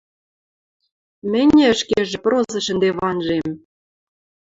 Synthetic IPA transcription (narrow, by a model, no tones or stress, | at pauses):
mɘ̆nʲĕə̆ʃkeʒĕprozɤ̆ʃə̆nd̪eβɑnʒem